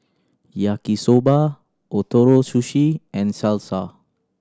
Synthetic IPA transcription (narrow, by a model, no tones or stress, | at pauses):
jakisoba | ʔot̪oɾosuʃiɛ̃nsɛlsa